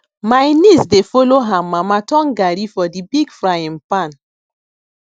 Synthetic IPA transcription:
majnisdefoloɦãmamatɔ̃ŋɡaɾifɔdibiɡfɾajɛ̃npan

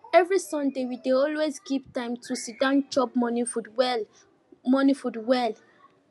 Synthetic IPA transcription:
ɛvɹisɔ̃ndewideɔlwezɡivtãɪ̃mtʰusudãnt͡ʃɔp̚mɔnifudwɛl | mɔnifudwɛl

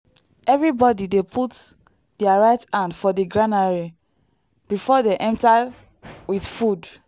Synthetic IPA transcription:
ɛvɹibɔdidepʰut | d̥iaɹaɪtãndfɔdeɡɹãnaɹe | b̥ifɔdeʔɛ̃mta | widfud

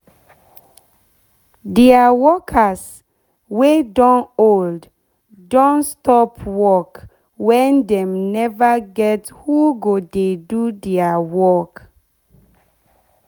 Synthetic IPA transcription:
diawɔkʰas | wedɔ̃nold | dɔ̃nstɔpwɔk | wɛ̃ndɛ̃mnɛvaɡɛthuɡodedudɛawɔk

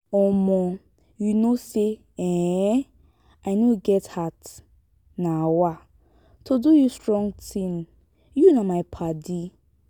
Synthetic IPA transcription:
ɔmɔ | junose | ɛ̃ | aɪniɡɛthat | nawa | tʰodujustɹɔ̃ŋtʰĩn | junamaɪpʰadi

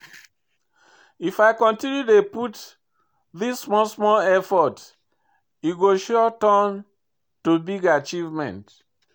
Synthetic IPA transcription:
ifaɪkɔ̃ntĩnjudeput | ðissmɔsmɔlɛfɔt | iɡoʃɔtɔ̃n | tubiɡat͡ʃivmɛ̰̃nt

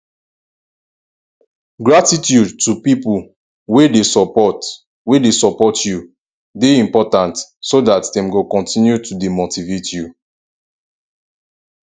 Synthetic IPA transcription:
ɡɹatitjudtupipul | wedesɔpɔt | wedesɔpɔtju | deĩmpɔtãntsodatdɛ̃mɡokɔ̃ntĩnjutudemotivetju

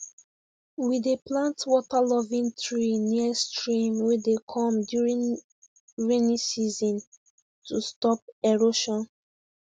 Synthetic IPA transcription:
wideplãntwɔtalɔvĩŋtʰɹiniəstɹĩmwɛdekʰɔ̃mdjuɹĩn | ɹenisizɔ̃n | tustɔp̚ɛɹoʃɔ̃n

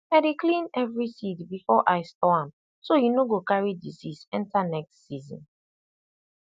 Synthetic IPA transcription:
aɪdeklĩnɛvɹisitbifɔʔaɪstɔãm | sojunoɡokaɹidḭsisɛ̃ntanɛkstsizɔ̰̃n

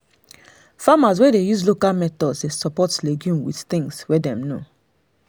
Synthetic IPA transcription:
famas̬wɛdejuzlokalmɛtɔdsdesɔpɔtleɡjũmwḭtt̪ĩŋɡswɛdɛ̃mno

